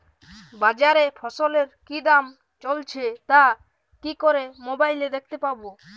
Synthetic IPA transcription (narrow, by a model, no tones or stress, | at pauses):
bad͡ʑaɾefʰɔsoleɾkid̪am | t͡ʃolt͡ɕʰet̪a | kikoɾemobajled̪ek̚t̪epabo